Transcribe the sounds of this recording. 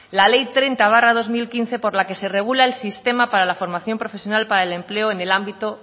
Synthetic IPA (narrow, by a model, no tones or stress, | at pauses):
lale̞jt̪ɾejnt̪aβ̞arað̞o̞zmilkin̟θe̞po̞ɾlake̞se̞re̞ɣ̞ulaelsist̪e̞mapaɾalafo̞ɾmaθjo̞mpɾo̞fe̞sjo̞nalpaɾaele̞mple̞oene̞lambit̪o